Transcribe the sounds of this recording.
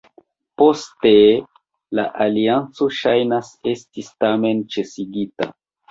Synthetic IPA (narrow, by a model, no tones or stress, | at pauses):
po̞ste̞ | laʔaliant͡so̞ʃajnase̞stistame̞nt͡ʃe̞siɡita̰